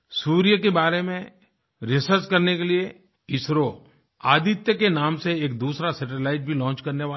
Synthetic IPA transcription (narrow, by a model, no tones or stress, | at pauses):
suːɾijəkebaːɾemẽ | ɾɪsəɾt͡ʃkɐɾnekelie | ɪsɾo | aːd̪ɪt̪jəkenaːmseeːk̚d̪uːsɾasɛʈ̬əlaːɪʈ̚bʱilɔ̃ːnt͡ʃkɐɾneʋaː